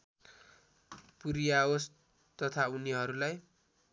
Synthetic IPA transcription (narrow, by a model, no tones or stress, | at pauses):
puɾijaos | t̪ʌt̪ʰauniɦʌɾulaj